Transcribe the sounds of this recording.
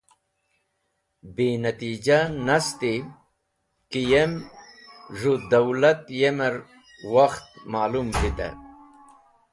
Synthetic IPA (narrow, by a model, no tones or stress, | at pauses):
biːnɐt̪id͡ʑanɐst̪i | kijem | ʐud̪ɐwlɐt̪jemɐɾ | wɐxt̪̚maːlumbit̪a̰